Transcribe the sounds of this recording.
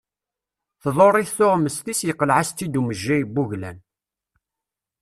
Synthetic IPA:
θðˤoɾˤːɪθθʊʁməst̪isjəqːəlʕast̪ːid̪uməʒːæjbːuʝlæ̰n

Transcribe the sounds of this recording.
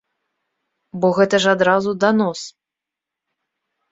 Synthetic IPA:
bɔɣɛt̪ɐʐad̪ɾazud̪anɔs

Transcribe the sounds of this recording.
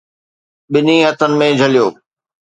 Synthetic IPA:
ɓɪniɦɐt̪ənɪ̆mẽd͡ʑʱɐlijoː

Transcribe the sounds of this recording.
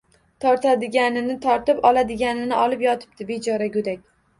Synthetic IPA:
t̪ʰɒɾt̪ʰad̪ɪɡʲanɪnɪt̪ʰɒɾt̪ɪpɒlad̪ɪɡʲanɪnɪʔɒlɪpjɒt̪ʰɪ̥p̚t̪ɪbed͡ʒɒɾaɡʲɵd̪akʲ

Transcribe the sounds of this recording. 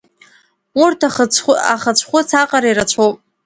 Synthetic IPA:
urtʰaa̰χət͡ɕʷʰχʷʊt͡sʰaqʼaɾairat͡ɕʷʰowp̚ʼ

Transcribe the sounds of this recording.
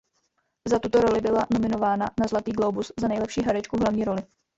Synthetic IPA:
zat̪ut̪o̞ɾo̞lɪbɪlano̞mɪno̞vaːnanazlat̪iːɡlo̞wbuszanɛjlɛpʃiːɦaɾɛt͡ʃkuɦlavɲiːɾo̞lɪ

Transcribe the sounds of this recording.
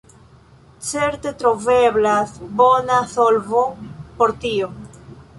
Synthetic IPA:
t͡se̞ɾt̪e̞t̪ɾoveblasbo̞nasolvo̞poɾt̪io

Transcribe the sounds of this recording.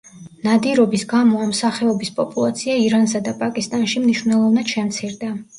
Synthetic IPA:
nad̪iɾɔbisɡamɔamsaχɛɔbispʼɔpʼulˠat̪sʰiaiɾansad̪apʼakʼist̪ʼanʃimniʃwvnɛlˠɔvnad̪̥ʃɛmt̪sʰiɾd̪a

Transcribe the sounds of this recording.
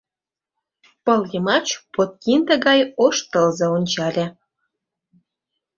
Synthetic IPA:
pɤ̆lɣəmɑt͡ɕpot̪̚kʲind̪ĕɣɑjoʃt̪əlzĕonʲt͡ɕɑlʲe

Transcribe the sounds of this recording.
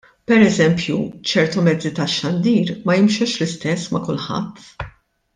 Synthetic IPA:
pɛɾɛzɛmpjṵt͡ʃɛɾt̪umɛd͡zːit̪ɐʃːɐnd̪iːɾmɐjɪmʃɛʃlɪst̪ɛsːmɐkʊlħɐ̰t̪ː

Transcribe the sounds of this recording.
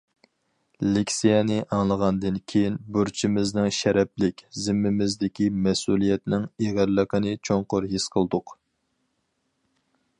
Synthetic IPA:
lɪkʲsijɛnɪʔɑŋlˠəʁɑnd̪ɨnkʲʰejinbøɾt͡ʃʰimɪznɪŋʃɛɾɛplɪkʲzɪmːɪmɪzd̪ɪkʲimɛsulˠijɛt̪nɪŋeʁæɾləqənɨt͡ʃʰoŋqʊɾɦesqʰəlˠd̪ʊq

